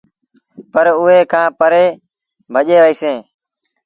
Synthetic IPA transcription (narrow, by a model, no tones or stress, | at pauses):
pəɾʊɦeːkʰãːpəɾeː | bʱəʄeːʋəiːsẽː